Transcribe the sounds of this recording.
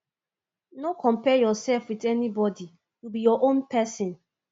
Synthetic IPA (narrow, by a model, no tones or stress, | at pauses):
nokɔ̃mpɛjɔsɛlfwidɛnibɔdi | jubijɔʔõnpɛsɪ̃n